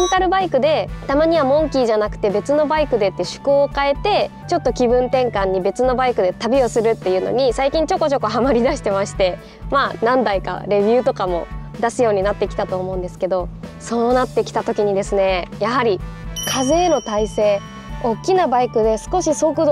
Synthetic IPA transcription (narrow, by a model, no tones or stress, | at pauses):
nt̪aɾɯ̟baikɯ̟d̪e̞t̪amaɲ̟iβamõ̞ŋkʲiʑanakɯ̟̥t̪e̞be̞t͡sɨno̞baikɯ̟d̪e̞t̪ːeɕɨ̥koːkae̞t̪e̞t͡ɕo̞t̪ːo̞kʲibɯ̟̃nt̪ẽ̞ŋkãɲ̟ːibe̞t͡sɨno̞baikɯ̟d̪e̞t̪abʲio̞sɨɾɯ̟t̪ːe̞jɯ̟ːno̰ɲ̟isaikʲĩɲ̟t͡ɕo̞ko̞t͡ɕo̞ko̞ɦamaɾʲid̪aɕi̥t̪e̞maɕi̥t̪e̞ | maːnãnd̪aika̰ɾe̞bʲjɯ̟ːt̪o̞kamo̞̰ | d̪asɨjo̞ːɲ̟inat̪ːe̞kʲi̥t̪at̪o̞ːmo̞ɯ̃nd̪e̞sɨ̥ke̞d̪o̞so̞ːnat̪ːe̞kʲi̥t̪at̪o̞kʲiɲ̟id̪e̞sɨne̞jaɦaɾʲikʰaze̞ːno̞t̪aise̞ː | o̞kʲːinabaikɯ̟d̪e̞sɨ̥ko̞ɕiso̞ːkɯ